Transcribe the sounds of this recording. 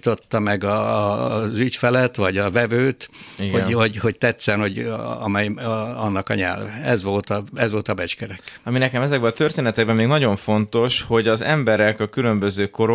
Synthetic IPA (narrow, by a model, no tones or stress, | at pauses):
t̪o̞t̪ːɒmɛɡɒ | zycfɛlɛt̪ʋɒɟɒvɛvøːt̪iɡhoho̞ɟho̞c̚t̪ɛt̪sɛnho̞ɟɒ̰mɛjɒnːɒkɒɲɛ̰lvɛɛzʋo̞lt̪ɒɛzʋo̞lt̪ɒbɛt͡ʃkɛɾɛkɒminɛkɛmɛzɛɡbɛlɒt̪ørt̪eːnɛt̪ɛɡ̚bɛmːeːɡnɒɟo̞ɱfo̞nt̪o̞ʃho̞ɟɒzɛmbɛɾɛkɒkylø̞mbøzøːko̞ɾo